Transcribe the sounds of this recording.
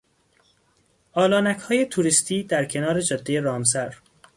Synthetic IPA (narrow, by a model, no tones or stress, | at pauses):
ʔɒːlɒːnæchɒːje̞t̪ʰuɾist̪ʰiːd̪æɾkcʰe̞nɒːɾe̞d͡ʒɒd̪ːejeɾɒːmsæɾ